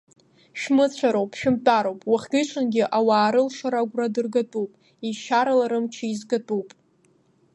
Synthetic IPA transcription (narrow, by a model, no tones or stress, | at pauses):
ʃᶣmɨt͡ɕʷʰaɾowpʰʼʃᶣɪmtʼaɾowpʼwaχʲɡʲɪt͡ʃʷʰʼanɡʲɪʔawaːɾɨlʃaɾaɡʷradɨrɡatʼupʼ | iʃaɾalaɾɨmt͡ʃʰiizɡatʼupʼ